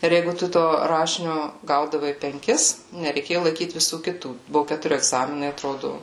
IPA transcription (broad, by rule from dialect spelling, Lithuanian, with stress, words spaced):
ɪr ˈjɛɪɡʊ ˈtʊ toː ˈrɑːʃʲɪnʲoː ˈɡɐʊdɐʋɐɪ pʲɛŋʲˈkʲɪs nʲɛrʲɛɪˈkʲeːjʊ lˠɐɪˈkʲiːt ʋʲɪˈsuː kʲɪˈtuː ˈbʊʋʊ kʲɛtʊˈrʲɪ ɛɡˈzɑːmʲɪnɐɪ ɐtˈroːdʊ